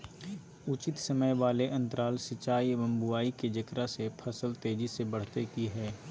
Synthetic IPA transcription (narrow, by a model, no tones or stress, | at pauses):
ʊt͡ʃɪt̪sɐməjʋaːleʔɐ̃nt̪əɾaːlsɪt͡ʃaːibɐ̃mbuaːiked͡ʒɐkɾasepʰɐsəlt̪eːd͡ʒisebɐɽ̤t̪ekiɦɛː